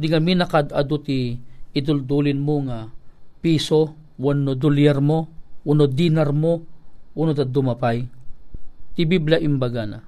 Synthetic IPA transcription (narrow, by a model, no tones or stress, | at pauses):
d̪ɪŋaminɐkad̪ad̪ot̪iɪd̪ʊld̪uːlɪnmoŋapiːso | wanːod̪ʊljɛɾmowʊnod̪inɐɾmoʔʊnod̪ad̪ʊmɐpaj | t̪ibiblaʔɪmbɐɡana̰